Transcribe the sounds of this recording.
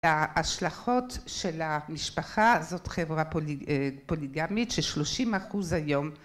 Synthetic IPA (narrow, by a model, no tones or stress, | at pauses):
aaʃlaχotʃelamiʃpaχazotχevʁa | poliɡamitʃeʃloʃimaχuzhajom